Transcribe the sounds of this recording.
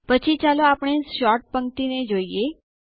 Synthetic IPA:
pət͡ʃʰit͡ʃaloapɽ̃eʃɔʈ̚pəŋkt̪ined͡ʒoije

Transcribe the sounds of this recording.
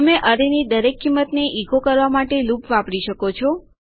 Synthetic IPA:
əmeʔəɾenid̪əɾekːimːət̪neʔiɡokəɾʋamaʈelupʋapɽiʃəkot͡ʃʰɔ

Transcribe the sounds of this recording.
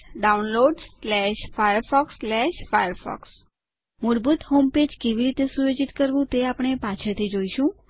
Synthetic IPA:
ɖaunloɖslɛʃfajəɾfɔkslɛʃfajəɾfɔ̰ks | mʊɾbut̪homped͡ʒkeʋiɾit̪esujod͡ʒit̪kəɾʋũt̪eapəɳ̃epat͡ʃʰət̪ʰid͡ʒoiʃũ

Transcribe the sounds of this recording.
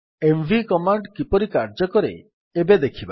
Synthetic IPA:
embʱikɔmaɳɖkipɔɾikaɾd͡ʒɔkɔɾḛ | ebed̪ekʰiba

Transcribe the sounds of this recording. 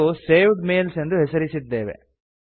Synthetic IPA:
useːʋɖmeːlse̞nd̪uɦesɐɾisid̪ːe̞ːʋḛ

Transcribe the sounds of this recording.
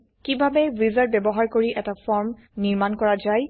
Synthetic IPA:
kibʱabɛbizaɹbɛbɔɦaɹkoɹiʔɛtafɔɹm | niɹmankɔɹazaj

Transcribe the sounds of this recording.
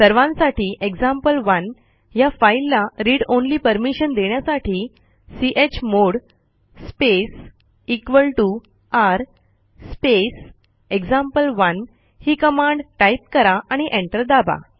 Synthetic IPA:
səɾʋãnsaʈiːʔeɡd͡zãmpəlʋən | jafailːaɾiːɽonliːpəɾmiɕənd̪eɳjasaʈʰiː | siʔet͡ɕmoɽ | sps | ikʋəlʈu | aɾ | spes | eɡd͡zãmpəlʋən | hiːkəmãɳɖʈajp̚kəɾaʔaɽ̃iʔẽɳʈəɾd̪abʱa̰

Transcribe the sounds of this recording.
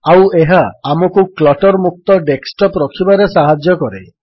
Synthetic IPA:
aweɦaːmɔkuklɔʈɔɾmuk̚t̪ɔɖeksʈɔpɾɔkʰibaɾesaɦad͡ʒjɔkɔɾḛ

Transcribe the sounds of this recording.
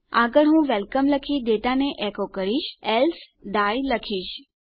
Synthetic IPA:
a̰ːɡəɽɦũːʋɛlkəmləkʰid̪eːʈaneʔekokəɾiːʃɛls | ɖaːjləkʰiːʃ

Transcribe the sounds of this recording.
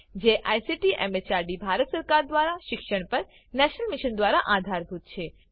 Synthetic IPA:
d͡ʒeʔajsiʈiʔɛ̰met͡ʃaɾɖibʱaɾət̪səɾkaɾd̪ʋaɾaʃɪkʃəɳpəɾ | nɛʃnəlmiʃənd̪ʋaɾaʔad̪ʱaɾbʱut̪̚t͡ʃʰe

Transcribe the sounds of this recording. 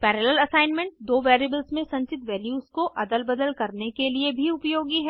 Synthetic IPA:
pɛːɾeːləlɐsaːɪnmẽɳʈd̪oːʋɛːɾeːbəlsmẽsɐ̃ɲt͡ʃɪt̪ʋɛːljuːskoʔɐd̪əlbɐd̪əlkɐɾnekeliebʱiʊpjoːɡiɦɛː

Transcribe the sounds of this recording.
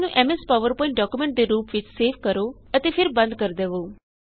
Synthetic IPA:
nũʔɛmespaʋəɾpɔ̃ɪ̃ɳʈ̚ɖɔkjumẽɳʈ̚d̪eɾuːpʋɪt͡ʃseːʋkəɾoət̪efʰɪɾbə̃nd̪kəɾd̪eʋo

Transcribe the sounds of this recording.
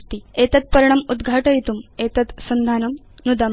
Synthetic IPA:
t̪iet̪ɐt̪̚pɐɾɳɐmud̪ɡʱaːʈɐjt̪umet̪ɐt̪sɐnd̪ʱaːnɐm | nud̪ɐm

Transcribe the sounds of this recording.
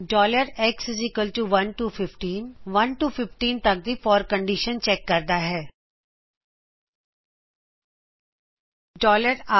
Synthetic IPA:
ɖɔːləɾɛːksɪzɪkəlʈuʋɐ̃nʈufʰɪfʈiːnʋɐnʈufɪfʈiːnt̪ɐk̚d̪ifɔːɾkə̃ɳɖiʃənt͡ʃɛːkːɐɾd̪aɦɛː | ɖɔːləɾa

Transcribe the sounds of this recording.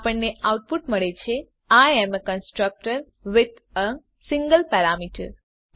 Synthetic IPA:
pəɳneʔawʈ̚puʈməɭet͡ʃʰe | ajɛməkənsʈɾək̚ʈəɾ | ʋɪd̪ | ə | sɪ̃ŋɡəlpɛɾamiʈə̰ɾ

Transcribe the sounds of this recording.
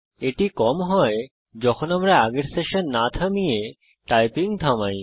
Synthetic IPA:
eʈikɔmɦɔe | d͡ʑɔkʰonamɾaaɡeɾseʃonːat̪ʰamije | ʈajpiŋt̪ʰamaj

